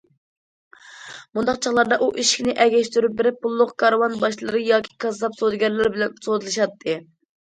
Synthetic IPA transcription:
mund̪ɑqt͡ʃʰɑχlˠɑɾd̪ɑʔuʔiʃi̥kʲnɪʔɛɡʲɛʃt̪yɾyp̚bɪɾɪp̚ʰːulˠːʊqkʰɑɾwɑnbɑʃlˠɨɾɨjɑːkʲʰi̥kʰɑzɑpsod̪ɨɡʲɛɾlɪɾbɪlɛnsod̪ɨlˠɨʃɑt̪ʰːɨ

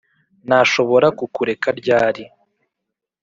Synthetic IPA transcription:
naʃo̞βo̞ɾakukuɾe̞kaɾɟaːɾi

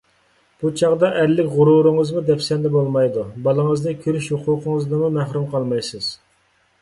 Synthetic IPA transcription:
b̥ut͡ʃʰɑʁd̪ɑʔæɾlːɪkʲʁʊɾuɾɨŋəzmud̪ɛpsɛnd̪ɛbolˠmɑjd̪ubɑlˠəŋəznɨkʲʰøɾyʃhuqʰʊːqʰəŋəznɨmumæɦɾumqʰɑlˠmɑjsɨz̥

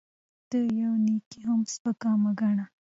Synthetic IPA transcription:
t̪əjawnikiɦʊmspəkɑːmaɡaɳa

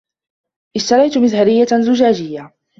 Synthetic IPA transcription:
ʔɪʃt̪ɑɾˤɑjt̪mɪðhaɾɪjːazʊd͡ʒaːd͡ʒɪjːa

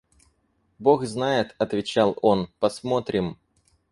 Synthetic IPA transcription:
bo̞xznajɪt̪ɐt̪vʲɪt͡ɕalˠo̞npɐsmo̞t̪ɾʲɪm

